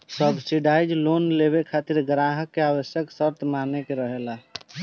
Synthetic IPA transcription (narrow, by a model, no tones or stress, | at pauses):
səbsiɖaːjd͡ʒloːnleβekʰat̪iɾɡɾaɦəkːeaːwəsjəksəɾt̪ʰmanekeɾəɦela